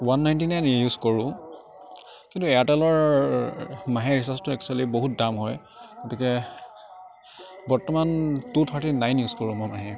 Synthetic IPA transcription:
wanːajntinajnjuzkoɹʊ̃ | kĩntuɛatɛlɔɹ | maɦɛɹisastuɛk̚t͡ʃualiboɦut̚damɦɔj | ɡ̥otikɛ | bɔɹtɔmantutʰaɹtinajnjuzkoɹũmɔmaɦɛ

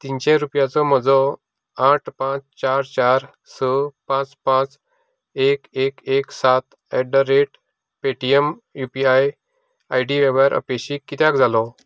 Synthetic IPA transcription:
t̪int͡ɕẽɾupjat͡sɔməd͡zɔ | aʈʰpãt͡st͡ɕaɾt͡ɕaɾ | səpãt͡spãt͡s | ekekeksat̪ | ɛɖəɾeʈ | peʈiem | jupiaj | ajɖiʋeʋɾaɾʔə̰peɕiːkːit̪jãkd͡zʱalɔ

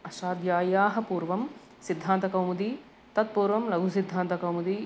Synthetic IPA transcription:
ɐʃaːd̪jaːjaːɦɐpuːɾʋɐm | sid̪ʱːaːnt̪ɐkɐwmud̪i | t̪ɐt̪̚puːɾʋɐmlɐɡʱusid̪ʱːaːnt̪ɐkɐwmud̪i

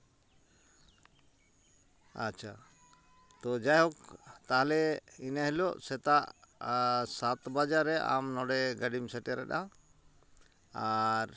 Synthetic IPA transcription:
a̰t͡ʃʰa | t̪ɔd͡ʒajɦɔk̚t̪aɦalɛinaɦiloʔsɛt̪aʔ | sat̪bad͡ʒaɾɛʔa̰mnɔɖɛɡaɖimsɛʈɛɾɛɗa | aɾ

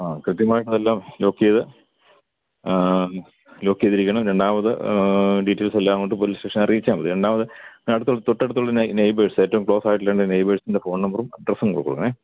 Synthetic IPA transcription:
aːkrɨt̪jɐmaːjiʈːɐðelːaːmlo̞ːkːijɐðɨ | lo̞ːkːijɐðiɾikʲːɐɳɐmɾeɳɖaːmɐðɨɖiʈːeːlselːaːŋoɳɖɨpoliːsʈeːʂɐnɐrijit͡ɕːaːmbɐðɨɾe̞ɳɖaːmɐðɨɐɽut̪ːuɭɐt̪oʈːeɽut̪ːuɭːɐnnejbeːɻsɨe̞ːtːɐʋumkɭo̞ːsaːjiʈːileːɳɖnejbeʂsindefo̞ːɳnɐmbɐrumɐɖrɐsuŋkoɽukːoɽukːɐɳe

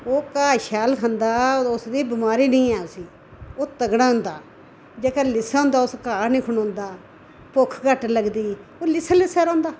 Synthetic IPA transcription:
oːkaːʃaːlkʰãnd̪aːʊsd̪iːbɪmaːɾiːnəĩːɛːʊsiː | oːt̪əɡɽ̃ãːʊ̃nd̪aː | d͡ʒeːkaːlɪsaːʊ̃ːnd̪aːʊskaːnĩːkʰʊnõːnd̪aː | pʊkʰkəʈləɡd̪iːoːlɪslɪsaːɾõːnd̪aː

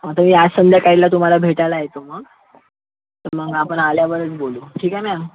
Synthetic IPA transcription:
mat̪əɾmiːasənd̪ʱjakailat̪um̤alabʱeʈalaɦet̪oməɡ | t̪əɾməɡapəɳaljaʋəɾət͡sboluʈʰiːkama

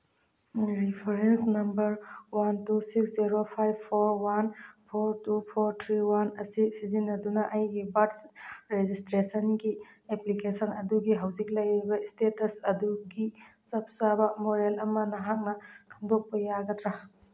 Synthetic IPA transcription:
ɾipʰeɾensnɐmbɐɾwantusiksziɾopʰajbpʰoɾwanpʰoɾtupʰoɾtʰɾiwanɐsisizinːɐdunɐʔɐjɡibadsɾed͡ʒistɾesɐnɡieplikesɐnɐduɡiɦɐwd͡ʒik̬̚lɐjɾibɐistetɐsɐduɡit͡ʃɐp̚sabɐmoɾelɐmɐnɐɦak̚nɐkʰɐmdok̚pɐjaɡɐtɾa

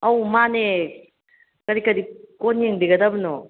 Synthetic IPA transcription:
ɐwmane | kɐɾikɐdikonjeŋbiɡɐdabɯno

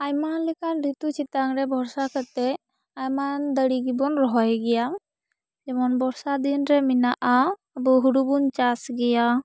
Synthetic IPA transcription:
ajmanlɛkanɾit̪ut͡ʃʰit̪aŋɾɛbʱɔɾsakʰət̪ɛ | ajmand̪əɽiɡibɔnɾɔɦɔjɡɛja | d͡ʒɛmɔnbɔɾsad̪inɾɛminaʔa | abɔɦuɾubunt͡ʃasɡɛja

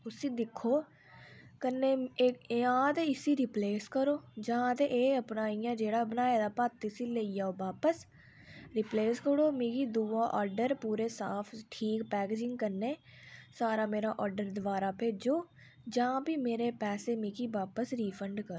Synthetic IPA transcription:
ʊsĩːd̪ɪkʰːoː | kənːeː | ãːt̪eːɪsiːɾɪpleːskəɾoːd͡ʒãːt̪eʔeːəpnaːijãːd͡ʒeːɽaːbənaːeːd̪aːpaːt̪ːɪsiːleːijaːoːbaːpəs | ɾɪpleːskəɽoːmĩːkiːd̪uːaːʔɔːɾɖəɾpuːɾeːsaːpʰʈʰiːkpɛːkeːd͡ʒɪŋɡkəɾneː | saːɾaːmeːɾaːʔɔːɾɖəɾd̪ʊʋaːɾaːpʰeːd͡ʒoː | d͡ʒãːpiːmeːɾeːpɛːseːmiːkiːbaːpəsɾiːfʰəɳɖkəɾo

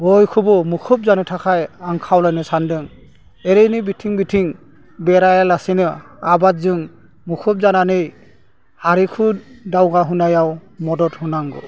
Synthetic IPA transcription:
bɔjkʰubɔmukʰɔp̚zanɯtʰakʰajaŋkʰawlajnɯsandɯŋ | ɛɾenibitʰiŋbitʰiŋ | bɛɾajalasinɯ | abatzɯŋ | mukʰɔp̚zananɯj | aɾikʰudawɡaɦunajawmɔdɔthunaŋɡɔ̰

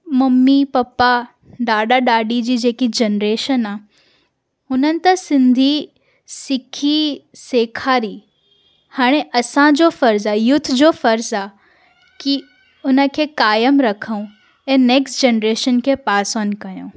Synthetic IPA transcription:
mɐmːipɐpa | ɗaːɗaɗaːɗid͡ʑiːd͡ʑeːkid͡ʑenɾeːʃənaː | ɦʊnənɪ̆t̪ɐsɪ̃nd̪ʱi | sɪkʰiseːkʰaːɾi | haːɽ̃eʔɐsãd͡ʑofɐɾzajʊt̪ʰd͡ʑofɐɾzaː | ki | ʊnə̆kʰeːkaːjəmɾɐkʰəũ | ɛ̃ːneːksʈd͡ʑenɾeːʃənkʰeːpaːsənkɐjõː

